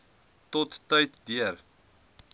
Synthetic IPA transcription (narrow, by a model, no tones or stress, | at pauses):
t̪ot̪ːœjt̪d̪iər